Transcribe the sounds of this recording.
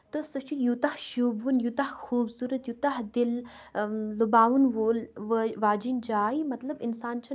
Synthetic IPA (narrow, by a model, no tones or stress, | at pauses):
t̪əsɐt͡ʃʰijut̪ahʃuːbʋunjut̪ahxuːbsuːɾɐt̪jut̪aɦd̪ilː | ubaːʋunʋoːlʋəʋaːd͡ʒind͡ʒaːimɐt̪lɐbɪnsaːnt͡ʃʰɐ